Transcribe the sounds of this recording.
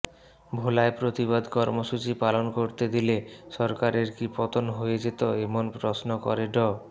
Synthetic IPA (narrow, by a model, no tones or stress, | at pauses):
bʱolaepɾot̪iβad̪kɔɾmoʃut͡ɕipalonkoɾt̪ed̪ileʃɔɾkaɾeɾkipɔt̪onɦoed͡ʑet̪oemonpɾosnokɔ̰ɾeɖɔ